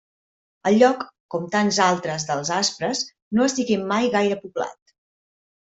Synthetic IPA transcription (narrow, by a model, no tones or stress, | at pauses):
əʎɔkːɔmt̪anzalˠt̪ɾəzðəlˠzaspɾəs | noəst̪iɣimːajɣajɾəpubla̰t̪